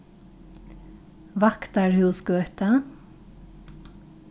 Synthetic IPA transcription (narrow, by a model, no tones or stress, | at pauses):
ʋɑkt̪æːɹhʉːskøːt̪ə